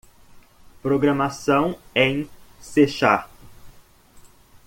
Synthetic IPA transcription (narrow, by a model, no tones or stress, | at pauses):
pɾoɡɾɐmasɐ̃w̃ẽj̃seʃa